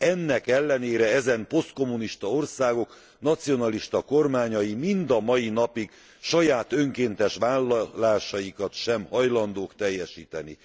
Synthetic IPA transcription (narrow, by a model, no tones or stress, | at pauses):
ɛnːɛkɛlːɛneːɾɛɛzɛmpo̞st̪̚ko̞mːuniʃt̪ɒo̞rsaːɡo̞k | nɒt̪sijo̞nɒliʃt̪ɒko̞rmaːɲɒjimind̪ɒmɒjin̪ɒpiɡ | ʃɒjaːt̪øŋkeːnt̪ɛʃʋaːllːaːʃɒjikɒt̪ʃɛmhɒjlɒnd̪oːkt̪ɛjːɛʃiːt̪ɛnḭ